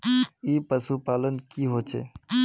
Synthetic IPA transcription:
iːpəsuːpaːlənkiːɦoːt͡ʃʰḛː

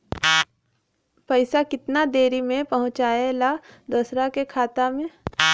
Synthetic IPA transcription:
pɐɪsakɪt̪nad̪eːɾimẽpɐɦʊ̃t͡ʃaːelad̪ʊːsɾakekʰaːt̪amẽ

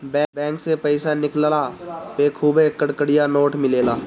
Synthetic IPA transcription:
bɛbɛ̃ːŋksepəɪsanɪkllapeːkʰuːbekəɽkəɽɪjanoːʈmɪleːlaː

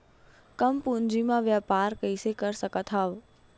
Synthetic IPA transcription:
kəmpũnd͡ʒimãʋjapaɾkəjsekəɾsəkət̪ʰɦaʋ

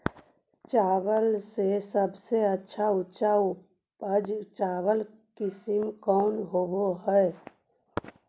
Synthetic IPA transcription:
t͡ʃaːwəlsesəbseətːʃʰaʊtːt͡ʃaʊ | pəd͡ʒt͡ʃaːwəl | kɪsɪmkɔːnɦoːboɦɛ

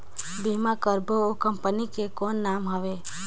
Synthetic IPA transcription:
bimakəɾbookəmpənikekoːnːaːmɦəʋe

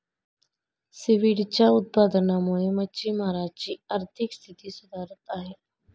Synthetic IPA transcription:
sɪʋiɽt͡ɕaʊt̪̚paːd̪ənamoːemət͡ɕiːmaːɾaːd͡ʒt͡ɕiːəɾt̪ʰɪkst̪ʰɪt̪isʊd̪aːɾət̪aːɦeː

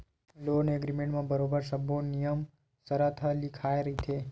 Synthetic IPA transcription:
lonəɡɾimẽɳʈmãbəɾobəɾsəbʱonijəm | səɾat̪ʰalikʰajɾəɦit̪ʰe

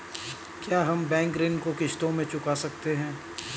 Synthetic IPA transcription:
kjaːɦɐmbɛ̃ːŋkɾɪnkokɪʃt̪õmẽt͡ʃʊkaːsɐk̚t̪eɦɛ̃ː

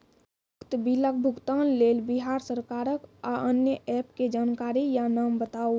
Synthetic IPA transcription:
əkt̪bilək̚bʱuɡt̪anlelbiɦaɾsəɾkaːɾəkaʔənjəʔɛpked͡ʒaːnkaːɾijanambət̪ao

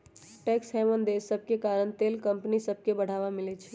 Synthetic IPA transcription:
ʈɛːksɦɛʋənd̪esəb̚kekaːɾəɳ̃t̪eːlkəmpnisəb̚ʱkebəɽ̤aːʋamɪlet͡ʃʰɛ

